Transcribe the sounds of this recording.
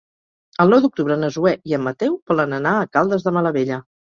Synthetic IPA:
əlˠnɔwd̪uk̚t̪uβɾənəzuɛiəmːət̪ɛwpəlˠənənaəkalˠd̪əzðəmələβeʎə

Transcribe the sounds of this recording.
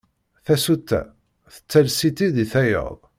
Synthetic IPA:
θæsut̪ːæ̰ | θə̥t͡sːælsit̪iðiθæjə̰ðˤ

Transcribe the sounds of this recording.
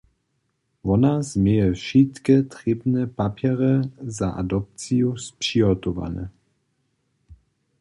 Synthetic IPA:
vɔnazmjɛjɛfʃit̪kɛt̪ʁibnɛpapjɛʁɛzaʔa̰d̪ɔp̚t͡sijuspʃiɦɔt̪ɔʋa̰nɛ̰

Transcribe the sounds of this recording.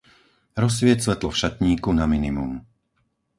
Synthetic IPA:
ɾɔs̬ʋɪɛc̪sʋɛt̪lɔfʃat̪ɲiːkunaminimum

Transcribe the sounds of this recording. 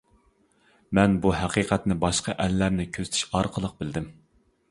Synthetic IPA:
mɛnbuɦæqʰiqʰɛt̪nɪbɑʃqʰɑʔɛlːæɾnɪkʲʰøz̥t̪ʰy̥ʃɑɾqʰəlˠəq̚bɪld̪ɪm

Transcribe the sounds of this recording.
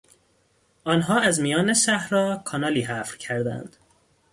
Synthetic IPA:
ʔɒːnɦɒːæzmijɒːne̞ʃæhɾɒːkʰɒnɒːliːɦæfɾcʰæɾd̪æ̰nd̪̥

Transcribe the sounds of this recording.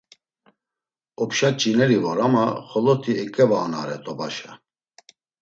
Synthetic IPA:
ɔpʃat͡ʃʼinɛɾivɔɾamaχɔlɔt̪ʰiɛkʼɛvanaɾɛt̪ʼɔbaʃa

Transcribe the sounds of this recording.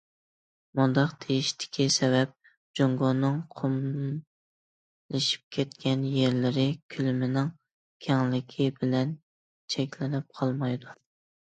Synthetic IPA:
mund̪ɑqt̪ʰejiʃt̪ʰɪ̥kʲʰisɛvɛp̚ | d͡ʒoŋɡonːɨŋqʰom | lɪʃi̥p̚kʲʰɛt̪kʲɛnjeɾlɪɾɪkʲʰylmɪnɪŋ | kʲʰɛŋlɪkʲʰibɪlɛn | t͡ʃʰɛkʲlɪnɪp̚qʰɑlˠmɑjd̪u

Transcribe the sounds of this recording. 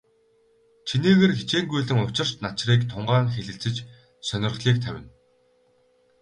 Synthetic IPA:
t͡ɕʰiniːɣeːrxit͡ɕeːŋɡujɮɘ̆ŋʊt͡ɕɪ̆r̥t͡ɕnat͡ɕriːkt̪ʰʊɴɢaːŋxeɮɘ̆t͡sɘ̆t͡ɕ | sœnʲɪ̆rχɮiːk̚t̪ʰæwʲɪ̰̆n

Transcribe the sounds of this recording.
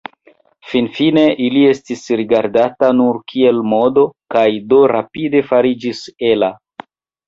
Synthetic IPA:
finfine̞ʔilie̞stisɾiɡaɾdatanuɾkʰie̞lmo̞do̞kajdo̞ɾapide̞faɾid͡ʒise̞la

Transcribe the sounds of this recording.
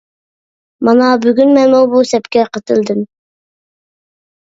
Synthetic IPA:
mɑnɑbyɡʲynmɛnmubusɛpkʲɛqʰət̪ʰɨld̪ɪm

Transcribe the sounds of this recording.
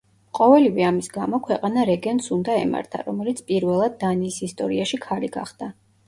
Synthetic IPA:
qʼɔvɛlivɛamisɡamɔkʰwɛqʼanaɾɛɡɛnsund̪aɛ̰ma̰ɾt̪ʰa̰ɾɔmɛlit̪sʰpʼiɾvɛlˠad̪̚ːaniːsist̪ʼɔɾiaʃikʰaliɡa̰χd̪̥a

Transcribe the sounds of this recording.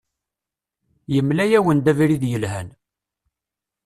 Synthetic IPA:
jəmlæjæwənd̪æviɾiðjəlɦæn

